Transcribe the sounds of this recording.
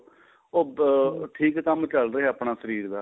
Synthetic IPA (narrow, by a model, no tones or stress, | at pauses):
oːʈʰiːkːəmt͡ʃəlɾəɦeːəpɳaːsəɾiːɾd̪aː